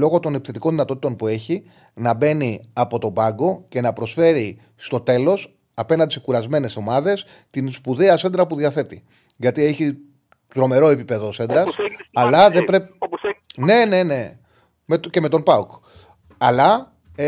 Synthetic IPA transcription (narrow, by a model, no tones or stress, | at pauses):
lo̞ɣo̞t̪o̞nepθe̞t̪iko̞nðinɐt̪o̞t̪it̪o̞npue̞çi | nɐbe̞niɐpo̞t̪o̞bɐɡo̞ce̞nɐpɾo̞sfe̞ɾi | st̪ot̪e̞lo̞s | ɐpe̞nɐnisekuɾɐzme̞ne̞so̞mɐðe̞s | t̪inspuðiɐse̞nd̪ɾɐpuðiɐθe̞t̪i | ʝɐt̪ieçi | t̪ɾo̞me̞ɾo̞e̞pipe̞ðose̞nd̪ɾɐsɐlɐðebɾe | ne̞ne̞ne̞ | met̪ce̞me̞t̪o̞npɐuk | ɐlɐ